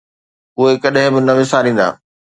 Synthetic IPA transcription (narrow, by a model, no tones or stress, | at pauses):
ʊɦekɐɗɦɪ̃bɪnɐʋɪsaɾĩːn̆d̪a̰ː